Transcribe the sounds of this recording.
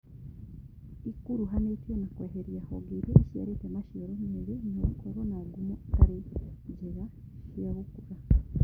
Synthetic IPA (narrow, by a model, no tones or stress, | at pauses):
ikuɾuɦanetjonakweːɦeɾjaho̰ɡeɾjeʔeʃija̰ɾitemaʃeɾemeβenoβakwoβonaɡumutaɾiɟeɾa | ʃijaβukuɾa